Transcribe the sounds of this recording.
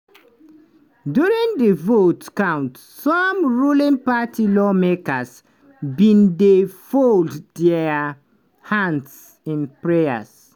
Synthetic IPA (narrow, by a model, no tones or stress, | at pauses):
djuɹĩŋdəvotkãʊ̃nt | sɔmɹulĩnpatʰilɔmekəs | bĩndefolddɛ | hãnds | ĩnpɹea̰s